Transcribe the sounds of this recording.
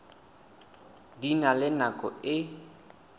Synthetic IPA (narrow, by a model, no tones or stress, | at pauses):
dinalɪnakʼɔɪ